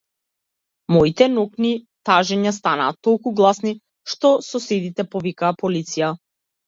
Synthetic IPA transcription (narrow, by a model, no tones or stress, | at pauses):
mɔit̪ɛnɔkni | t̪aʒɛɲast̪ana̰ːt̪ːɔlˠkuɡlˠasni | ʃt̪ɔsɔsɛd̪it̪ɛpɔvikaːpɔlit̪sija